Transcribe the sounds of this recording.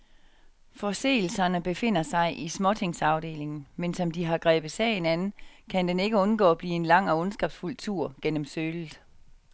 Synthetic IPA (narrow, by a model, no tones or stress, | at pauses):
fɒ̽se̝̰ːl̩sɐnəb̥e̝fe̝n̰ɐsɑ̈ɪʔismɒ̽t͡sʰe̝ŋsɑ̈ʊd̥e̝̰ːle̝ŋn̩mensɒ̽md̥iɦɑ̈ɡ̥ʁɛ̰ːb̥ð̩ˠsɛ̰ːɪn̩ænn̩kʰænd̥ene̝ɡ̥əɔ̽nɡ̥ɔ̰ːb̥liːe̝nlɑ̈ŋ̰ɒ̽ɔ̽nsɡ̥ɑb̥sful̰t͡sʰuɐ̰ɡ̥en̰əmsøːlð̩ˠ